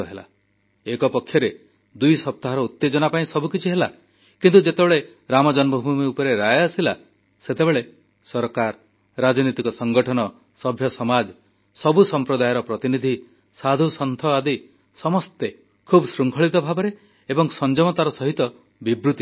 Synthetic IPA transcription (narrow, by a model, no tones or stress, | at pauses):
ɔɦela̰ | ekɔpɔkʰːjɔɾe | d̪ujsɔp̚t̪aɦɔɾɔut̪ːed͡ʒɔnapaĩsɔbukit͡ʃʰiɦela̰ | kint̪ud͡ʒet̪ebeɭe | ɾamɔd͡ʒɔnbʱubʱumiupɔɾeɾajeasila | set̪ebeɭe | sɔɾkaɾ | ɾad͡ʒɔnit̪ikɔsɔŋɡɔʈʰɔnɔ | sɔbʱjɔsɔmad͡ʒ | sɔbusɔmpɾɔd̪ajɔɾɔpɾɔt̪inid̪ʱi | sad̪ʱusɔnt̪ʰɔad̪i | sɔmɔst̪e | kʰubɔsɾuŋkʰɔɭit̪ɔbʱabɔɾe | ebɔŋsɔnd͡ʒɔmɔt̪aɾɔsɔɦit̪ɔ | bibɾut̪i